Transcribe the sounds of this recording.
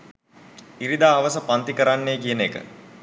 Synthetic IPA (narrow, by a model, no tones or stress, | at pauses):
iɾid̪aːʋəsəpant̪ikəɾanːejkijənekə̰